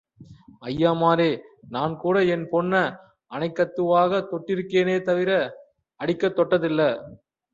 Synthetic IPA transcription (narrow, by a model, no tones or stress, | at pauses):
ɐjːaːmaːɾeːnaːnkuːɽɐɛnpɔnːɐ | ɐnɐɪkːɐt̪ːɯʋaːɣɐt̪ɔʈːɪɾɯkːeːneːt̪ɐʋɪɾɐ | ɐɽɪkːɐt̪ːɔʈːɐðɪlːɐ